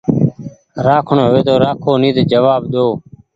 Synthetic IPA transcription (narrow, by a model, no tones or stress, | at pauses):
ɾaːkʰɳoːɦʊʋeːt̪oːɾaːkʰoːniːd̪d͡ʒəʋaːbɗ̪oː